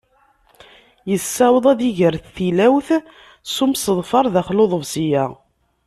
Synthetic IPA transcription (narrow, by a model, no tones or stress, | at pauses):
jəsːæwðˤæðiʝəɾθθilæwθ | sumsəðˤfɑɾˤðæχloðˤəvsijæ